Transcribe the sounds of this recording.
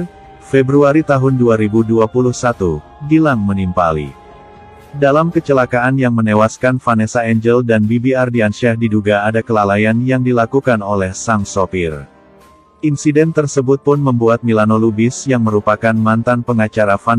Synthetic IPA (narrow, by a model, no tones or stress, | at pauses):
fɛbɾuaɾit̪aɦʊnduaɾibuduapuluhsat̪u | dilaŋmənimpa̰lḭ | dalamkət͡ʃəlakaanjaŋmənewaskanfanɛsaɛɲd͡ʒəldanbibiardianʃɛhdiduɡaːdakəlalajanjaŋdilakukanolɛhsaŋsopir | ʔinsidɛnt̪ərsəbʊt̪̚pʊnməmbuat̪̚milanolubɪsjaŋməɾupakanmant̪anpəŋat͡ʃaɾafan